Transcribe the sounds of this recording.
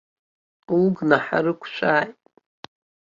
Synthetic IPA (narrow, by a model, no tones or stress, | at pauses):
ulɡnaħa̰ɾɨkʷʰʃʷʰaːjtʼ